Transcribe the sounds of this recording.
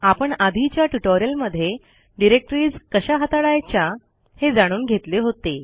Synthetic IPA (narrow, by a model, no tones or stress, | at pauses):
apəɳad̪ʱit͡ɕjaʈuʈoɾijəlməd̪ʱːje | ɖiɾek̚ʈɾiːd͡zkəɕaɦat̪aɽajt͡ɕja | hed͡zaɽ̃uːnɡʱet̪leɦot̪e